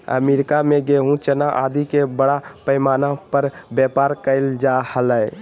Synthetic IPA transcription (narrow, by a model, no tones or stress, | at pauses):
ə̰meɾikameɡeɦũt͡ʃənaʔad̪ikebəɽapəjmanapəɾbjəpaɾkəɪld͡ʒahələ